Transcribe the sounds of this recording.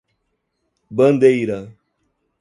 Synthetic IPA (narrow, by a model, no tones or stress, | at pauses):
bɐ̃nd̪ejɾɐ